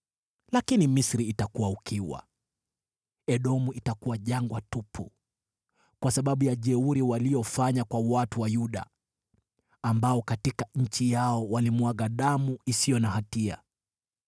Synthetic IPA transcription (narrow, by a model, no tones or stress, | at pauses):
lakinimisɾiːtakuwaukiwa̰ | ɛɗɔmuʔitakuwaʄaŋɡwatupʰṵ | kwasaɓaɓujaʄɛuɾiwaliɔfaɲakwawatuwajuɗa̰ | mbaɔkatikaɲ̩t͡ʃijaɔwalimwaɣaɗamuisijɔnahatia̰